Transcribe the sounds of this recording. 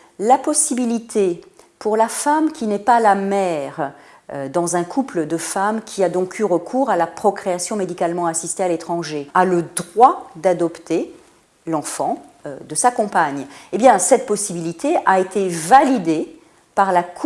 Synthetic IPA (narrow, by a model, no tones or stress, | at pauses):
lapɔsibilit̪ʰepuʁlafamkʲinɛpalamɛʁ | d̪ɑ̃zɛ̃kʰupləd̪əfamkʲʰiad̪ɔ̃kʰyʁəkʰuʁalapχɔkχeasjɔ̃med̪ikalmɑ̃asist̪ealet̪χɑ̃ʒealəd̪ʁwad̪ad̪ɔpt̪e | lɑ̃fɑ̃d̪əsakɔ̃paɲebjɛ̃sɛt̪̚pɔsibilit̪ʰeʔaet̪ʰevalid̪e | paʁlak